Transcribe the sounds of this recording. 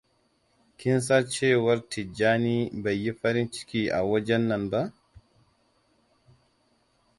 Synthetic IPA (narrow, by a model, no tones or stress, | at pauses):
kins̬aɾt͡ʃɛwaɾtid͡ʒaːnibajːifaɾint͡ʃi̥kia̰wɔd͡ʒɛnːanba